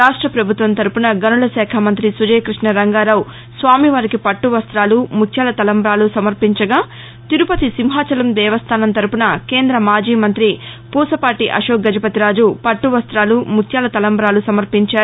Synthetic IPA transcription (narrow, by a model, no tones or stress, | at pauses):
ɾaːʂʈɾɐpɾɐbʱut̪ʋɐnt̪ɐɾupunɐɡɐnuɭɐsɛːkʰɐmɐnt̪ɾisud͡ʒɐjkɾiʂɳɐɾɐŋɡaːɾɐw | sʋaːmiʋaːɾikipɐʈːuʋɐst̪ɾaːlumukʰjaːlɐt̪ɐlɐmbɐɾaːlusɐmɐɾpiɲt͡ʃɐɡaː | t̪iɾupɐt̪isimɦaːt͡ʃɐlɐmd̪ɛːʋɐst̪ʰaːnɐnt̪ɐɾupunɐke̞ːnd̪ɾɐmaːd͡ʒiːmɐnt̪ɾi | puːsɐpaːʈiʔɐʃoːk̚ɡɐd͡ʒɐpɐt̪iɾaːd͡ʒupɐʈːuʋɐst̪ɾaːlumut̪ʰjaːlɐt̪ɐlɐmbɾaːlusɐmɐɾpiɲt͡ʃaː